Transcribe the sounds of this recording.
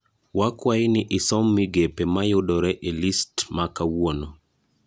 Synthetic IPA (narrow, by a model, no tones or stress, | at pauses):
wakwaɪnɪʔɪsɔmːɪɡepɛmajʊdɔɾɛʔelistmakawwonɔ